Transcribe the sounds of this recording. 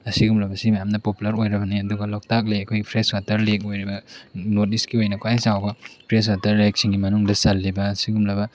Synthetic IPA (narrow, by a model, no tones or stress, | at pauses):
ɐsiɡumlɐbɐsimɐjamnɐpopulɐɾojɾɐbɐniɐduɡɐlɔk̚tak̚leɐkʰojɡipʰɾeskatɐɾlek̚ojɾibɐnot̚iskiojnɐkʰajsawbɐpʰɾes̬katɐɾlek̚siŋɡimɐnuŋdɐsɐlːibɐːsiɡumlɐbɐ